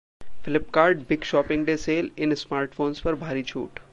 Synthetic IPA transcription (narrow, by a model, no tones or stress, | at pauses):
fɪlɪpkaːɾɖbɪɡʃɔːpɪ̃ŋɡɖeseːlɪnsmaːɾʈfoːnspɐɾbʱaːɾit͡ʃʰṵːʈ